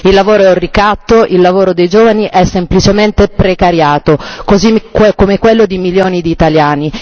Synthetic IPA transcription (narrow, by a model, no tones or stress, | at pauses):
ilːavoːɾorːikat̪ːoʔilːavoːɾod̪ejd͡ʒoːvaniʔɛsːemplit͡ʃement̪epɾekaɾjaːt̪okozikomekwelːod̪imiljoːnid̪iːt̪aljaːni